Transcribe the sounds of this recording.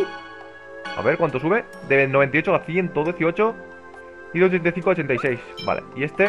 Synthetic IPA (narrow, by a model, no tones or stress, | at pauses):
a̰βe̞ɾkwant̪osuβe̞ | d̪eβenoβ̞e̞nt̪ajot͡ʃoaθje̞nt̪oðjeθio̞t͡ʃo | iðeot͡ʃent̪ajθiŋkoaot͡ʃe̞nt̪ajse̞jsba̰lḛie̞st̪e